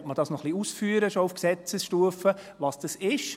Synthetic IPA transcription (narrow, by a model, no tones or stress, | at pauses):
tməd̥ɑsnɔχliusfyːəɾəʃɔufksɛt͡səsʃtuəfə | ʋɑsd̥ɑsɪʃ